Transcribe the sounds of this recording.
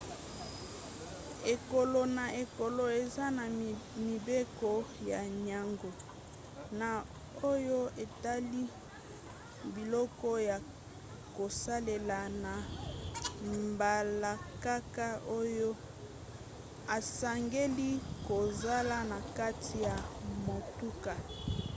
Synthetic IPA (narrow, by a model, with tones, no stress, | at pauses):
e˨ko˨lo˨na˨e˨ko˨lo˨e˨za˦na˨mi˨be˦kɔ˨ja˨ɲa˨ŋɡo˨ | na˨ | o˦jo˦e˨ta˦li˦ | bi˨lɔ˦kɔ˦ja˨ | ko˨sa˦le˨la˨na˨ | mba˨la˨ka˦ka˦o˦jo˦ | a˨sa˨ŋɡe˦li˦ko˨za˦la˦na˨ka˦tʰi˨ja˨mo˨tu˦ka˨